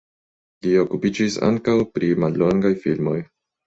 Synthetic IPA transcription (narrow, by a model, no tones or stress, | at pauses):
lio̞kupid͡ʒisa̰ŋkawpɾimalːo̞ŋɡajfilmo̞j